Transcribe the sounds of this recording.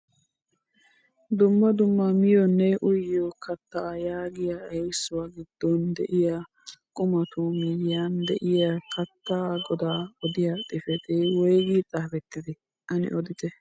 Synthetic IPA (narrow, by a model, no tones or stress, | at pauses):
d̪ʊmːɐd̪ʊmːɐmɪjɔnːɛʔʊjɪjɔkɐt̪ːɐjaːɡɪjaɛjsːʊwaɡɪd̪̥ːɔnd̪ɛʔɪja | kʼʊmɐt̪ʊmɛjːand̪ɛʔɪjɐkɐt̪ːaɡɔd̪aːɔd̪ɪjɐt̪ʼɪfɛt̪ɛwɔjɡit͡sʼaːfɛt̪ːɪd̪ɪ | ʔɐnɪ̰ʔɔd̪ɪt̪ɛ